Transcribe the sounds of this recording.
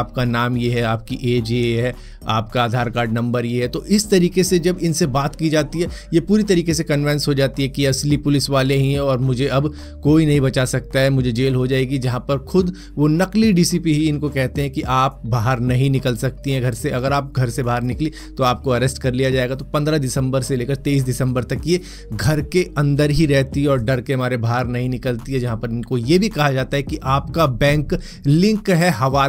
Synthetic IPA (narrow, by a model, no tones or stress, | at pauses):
aːp̚kanaːmjeɦɛaːp̚kiʔeːd͡ʒiɦɛ | aːpkaaːd̪ʱaːɾkaːɾɖnɐ̃mbəɾjeɦɛt̪oʔɪst̪ɐɾiːkesed͡ʒɐbɪnsebaːt̪kid͡ʒaːt̪iɦɛːjepuːɾit̪ɐɾiːkesekɐnʋɛ̃nsɦod͡ʒaːt̪iɦɛkiɐslipʊlɪsʋaːleɦĩɦɛ̃ɔːɾmʊd͡ʒʱeɐb | koːinɐɦĩbɐt͡ʃasɐk̚t̪aɦɛmʊd͡ʒʱed͡ʒeːlɦod͡ʒaːeɡid͡ʒɐɦãpɐɾxʊd̪ | ʋonɐkliɖiːsiːpiɦiɪnkokɛɦt̪eɦɛ̃kiʔaːp̚baːɦəɾnɐɦĩnɪkəlsɐk̚t̪iɦɛ̃ɡʱɐɾseʔɐɡəɾaːp̚ɡʱɐɾsebaːɦəɾnɪkli | t̪oaːp̚koɐɾɛːsʈkɐɾlijad͡ʒaːeːɡat̪opɐ̃nd̪ɾad̪ɪsə̃mbəɾseleːkəɾt̪eːiːs̬dɪsə̃mbəɾt̪ɐkje | ɡʱɐɾkeɐ̃nd̪əɾɦiɾɛɦt̪iɦɛɔːɾɖɐɾkeɦɐmaːɾebʱaɦːəɾnɐɦĩnɪkəlt̪iɦɛd͡ʒɐɦãpɐɾɪnkojebʱikɐɦad͡ʒaːt̪aɦɛkiʔaːpkabɛ̃ːŋk | lɪ̃ŋkɦɛɦɐʋaː